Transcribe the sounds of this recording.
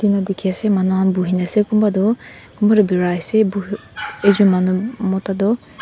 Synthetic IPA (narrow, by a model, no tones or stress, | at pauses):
dinadikʰiasemanuɦanbuɦinasekumbadɔ | kumbadɔbiɾasebu | ezumanumɔtadɔ